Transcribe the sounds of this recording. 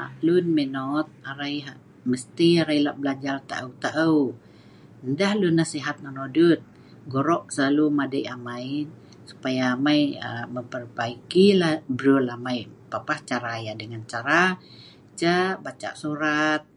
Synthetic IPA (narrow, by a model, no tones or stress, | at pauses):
lunmɛnɔt̪̚aɾaiɦaʔ | məst̪iaɾailaʔbəlad͡ʒart̪a̰ʔəwt̪aʔə | əndahlunːasiɦat̪̚nanodut̪̚ | ɡɔɾɔʔsəlalumadəʔamaji | su̥pajaːmaiəməmpərbaikilahbəɾulamajpapaht͡ʃaɾajadəŋant͡ʃaɾa | t͡ʃabat͡ʃa̰ʔsuɾat̪̚